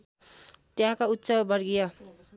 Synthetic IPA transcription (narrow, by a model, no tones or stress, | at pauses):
t̪jãkaut̪ːsʌbʌɾɡijʌ